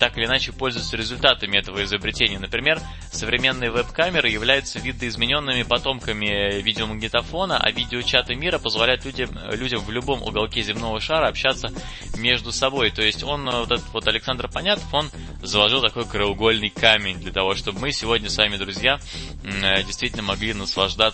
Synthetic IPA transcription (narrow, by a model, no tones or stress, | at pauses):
t̪akɨɪlʲɪnat͡ɕɪpo̞lʲzʊvjɪt̪səɾʲɪzʊlʲt̪at̪əmʲɪɛt̪əvəɪzəbɾʲɪtʲenʲɪjənəpɾʲɪmʲe̞r | səvɾʲɪmʲe̞nːɨjəvɛpkamʲɪɾɨjɪvlʲæjʊt̪səvʲid̪əɪzmʲɪnʲo̞nːɨmʲɪpɐt̪o̞mkəmʲɪvʲidʲɪoməɡnʲɪt̪ɐfo̞nəʔɐ̰vʲidʲɪot͡ɕat̪əmʲiɾəpəzvɐlʲæjʊt̪lʲuɪ | lʲudʲəmvlʲʊbo̞mʔʊ̰ɡɐlˠkʲezʲɪmno̞vəʂaɾəɐpɕːat̪sə | mʲe̞ʐd̪ʊsɐbo̞jt̪o̞jɪsʲtʲo̞nvot̪ɛt̪ət̪vo̞t̪ɐlʲɪksand̪rpɐnʲat̪ə̥fo̞n | zəlˠɐʐɨlˠt̪ɐko̞jkɾəʊɡo̞lʲnɨjkamʲɪnʲd̪lʲət̪ɐvo̞ʂt̪o̞bəmɨsʲɪvo̞dʲnʲəsvamʲɪd̪ɾʊzʲja | dʲɪjst̪vʲitʲɪlʲnəmɐɡlʲinəslˠɐʐd̪a